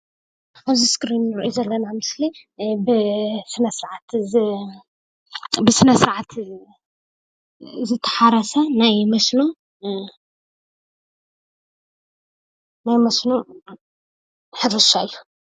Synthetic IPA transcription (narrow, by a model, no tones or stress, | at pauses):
aβziskɾinːɨɾʔjuzɐlːɐnamɨslibɨsɨnɐsɨɾʕat̪ | bɨsɨnɐsɨɾʕat̪ʰ | zɨt̪ʰːɐ̥ħaɾɐsɐnajmɐslum | najmɐsnu | ħɨɾɨʃaɨjːu̥